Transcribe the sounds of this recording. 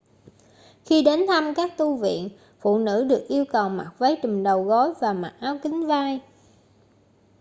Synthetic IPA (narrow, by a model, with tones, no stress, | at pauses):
xi˧ɗe˨˦nt̪ʰa˧mkaː˦˥k̚t̪u˧vḭ˧˨ən | fṵ˧˨nɨ̰˧˥ɗɨ˨˩ək̚ʔi˧əwkə˨˩wma˨˩t̚və˨˦jt͡ɕɨ˨˩ŋɗə˨˩wɣɔ˨˦jvaː˨˩ma˨˩t̚ʔaː˨˦wkï˨˦ŋ̟vaː˧j